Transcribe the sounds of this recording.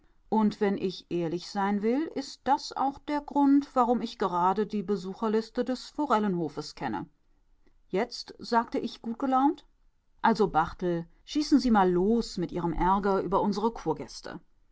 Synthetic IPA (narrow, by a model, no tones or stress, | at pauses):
ʔʊntv̥ɛnʔɪçʔeːɐlɪçz̥aɪnvɪlʔɪst̚d̥asa̰ʊxd̥eːɐɡʁʊntv̥aʁʊmɪçɡ̥əʁaːdədiːbəzuːxɐlɪstədɛsfoʁɛlənhoːfəskʰɛnə̰ | jɛt͡stz̥aːktəʔɪçɡ̥uːt̚ɡ̥əlaʊnt | ʔalzobaʁtl̩ | ʃiːsn̩ziːmaːlːoːsmɪtʔiːʁ̞əmʔɛɐɡɐʔyːbɐʔʊnzəʁəkʰuːɐɡɛstʰə̰